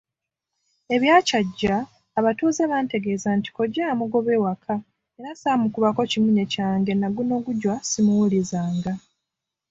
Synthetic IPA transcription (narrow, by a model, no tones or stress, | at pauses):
e̞βjaːcaɟːaː | βatuːzeβante̞ɡe̞ːzanti̥ko̞ɟːamuɡo̞βe̞ːwakʰa | e̞ɾasamukuβako̞cimuɲe̞caːŋɡe̞naɡuno̞ːɡuɟwasimuwulizaːŋɡa